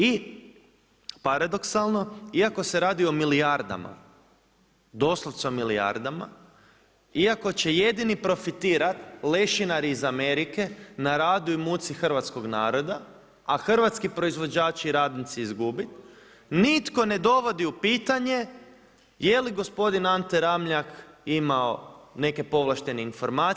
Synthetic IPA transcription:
i | paɾad̪o̞ksalˠno̞iako̞se̞ɾaːd̪io̞milijaɾd̪a̰ma̰ | d̪o̞slˠoʋt̪seomilia̰ɾd̪ama̰ | iako̞t͡ɕe̞je̞d̪inipɾo̞fit̪iːɾat̪le̞ʃinaɾiizame̞ɾike̞naɾaːd̪uimut̪sixrʋat̪sko̞ɡnaːɾo̞d̪a | axr̩ʋat̪skipɾo̞izʋo̞d͡ʑaːt͡ʃiɾaːd̪nit̪siizɡubit̪ | nit̪ko̞ne̞d̪o̞ʋo̞d̪iupiːt̪aɲe̞ | je̞liɡo̞spo̞d̪inant̪eɾamʎakimaone̞ke̞po̞ʋlˠaʃt̪e̞neinfo̞ɾmaː

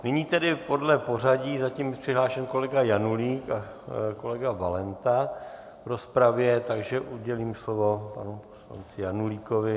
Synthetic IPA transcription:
nɪɲiːt̪ɛdɪpo̞dlɛpo̞r̝aɟiːzaciːmprɪɦlaːʃɛnko̞lɛɡajanuliːka | ko̞lɛɡavalɛnt̪a | vɾo̞spɾavjɛt̪aɡʒɛʔuɟɛliːmslovo̞pa̰nuposla̰nt͡sɪjanuliːkovɪ

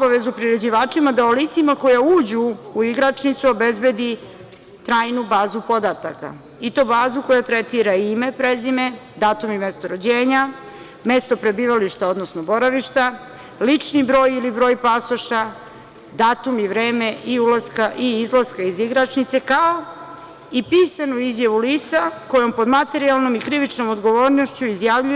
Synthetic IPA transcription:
obaʋe̞zupɾiɾe̞d͡ʑiʋaːt͡ʂimad̪aolit̪simakojauːd͡ʑuːiɡɾat͡ʂnit̪suo̞bezbe̞d̪i | t̪ɾaːjnubaːzupo̞d̪at̪aka̰ | it̪o̞ːbaːzuko̞jat̪ɾet̪iɾaime̞pɾezimed̪aːt̪umimest̪oɾod͡ʑeːɲa | mest̪o̞pɾe̞biːʋaliʃt̪ao̞d̪nosnobo̞ɾaʋiʃt̪a | lit͡ʃnibɾo̞ːjilibɾo̞ːjpasoʃa | d̪aːt̪umiʋɾe̞ːmeʔiulaskaʔiizlˠaskaiziɡɾat͡ʃnit̪se̞kao | ipiːsanuizjaʋuliːt̪sako̞jo̞mpo̞d̪mat̪e̞ɾialˠno̞mikɾiʋit͡ʃno̞mod̪ɡo̞ʋoːɾno̞ʃt͡ɕuizjaʋʎu

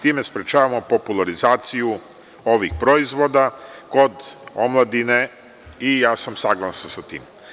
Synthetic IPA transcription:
t̪iːme̞spɾet͡ʃaːʋamo̞po̞pulˠaɾizaːt̪siju | o̞ʋixpɾo̞izʋo̞d̪ako̞d̪omlˠad̪ine | ijaːsamsaɡlˠasnosat̪ḭːm

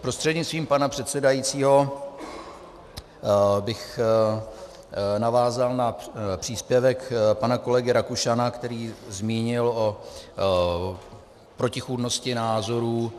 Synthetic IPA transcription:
pɾo̞st̪r̥ɛdɲɪt͡st̪viːmpanapr̝̥ɛt̪sɛdajit͡siːɦo̞ | bɪx | navaːzalnapr̝̥iːspjɛvɛkpanako̞lɛɡɪɾakuʃanakt̪ɛɾiːzmiːɲɪlo | pɾo̞cɪxuːdno̞scɪnaːzo̞ɾuː

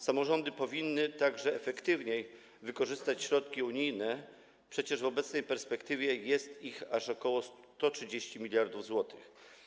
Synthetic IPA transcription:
samɔʐɔnd̪ɘpɔvʲinːɘt̪aɡʐɛɛfɛkt̪ɘvɲej | vɘkɔʐɘst̪at͡ɕɕɾɔt̪kʲiuɲijnɛ | pʂɛt͡ɕɛʐvɔbɛt̪snɛjpɛɾspɛkt̪ɘvʲjɛjɛst̪ixaʂɔkɔwɔs | t̪ɔtʂɘd͡ʑeɕt͡ɕimʲilʲjaɾd̪uvzwɔt̪ɘx

